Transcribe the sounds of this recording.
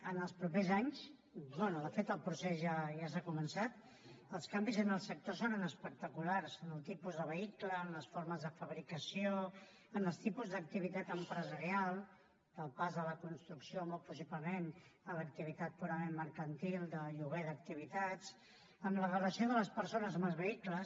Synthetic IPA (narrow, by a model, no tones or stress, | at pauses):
ənəlˠspɾupezaɲs | bonuðəfet̪əlˠpɾusɛzʒaʒasakumənsat̪ | əlˠskambizənəlˠsək̚t̪osonənəspək̚t̪əkularzənəlˠt̪ipuzðəβəikləːmləsfoɾməzðəfəβɾikəsio | ənəlˠst̪ipuzðək̚t̪iβ̞it̪at̪əmpɾəzəɾialˠ | d̪̥əlˠpazðələkunst̪ɾuksiomolpus̬ipləmenələk̚t̪iβ̞it̪at̪̚puɾəmemːəɾkənt̪ilˠd̪əʎuɣeðək̚t̪iβ̞it̪at͡s | əmlərələsioðələspəɾsonəzmazβəikləs